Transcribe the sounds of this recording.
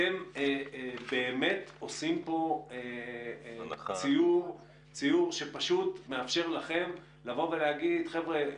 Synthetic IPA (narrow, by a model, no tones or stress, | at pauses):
em | be̞ːme̞tosimpo̞e | t͡sijuʁ | t͡sijuʁʃepaʃutme̞afʃe̞ʁlaχe̞m | lavo̞ve̞leaɡid̪χevʁe